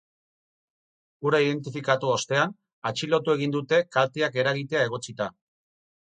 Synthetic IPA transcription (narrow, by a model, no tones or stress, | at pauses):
uɾaið̞e̞nt̪ifikat̪uo̞st̪e̞an | at͡ʃilo̞t̪ue̞ɣind̪ut̪e̞kalt̪eake̞ɾaɣit̪e̞ae̞ɣ̞o̞t͡sit̪a